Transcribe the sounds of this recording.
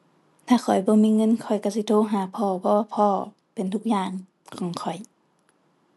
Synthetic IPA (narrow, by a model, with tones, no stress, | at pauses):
t̪ʰaː˧˩kʰɔ˨˩jbɔː˧˦miː˧˥˨ŋɤ˧˥˨nkʰɔ˨˩jka˧˩si˧˦t̪ʰoː˧˨ɦaː˨˩˦pʰɔː˧˩pʰɔ˧waː˧pʰɔː˧˩ | pe˨nt̪ʰu˧˥k̚jaː˧˩ŋ | kʰɔː˨˦ŋkʰɔ˨˩j